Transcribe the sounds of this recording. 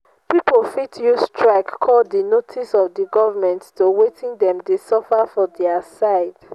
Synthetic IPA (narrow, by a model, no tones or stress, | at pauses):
pipolfitʰjustʰɹaɪkkʰɔlddinotʰisɔvdiɡɔvamɛ̃nttowetʰĩŋdɛ̃mdesɔfafɔdɛəsaɪd̥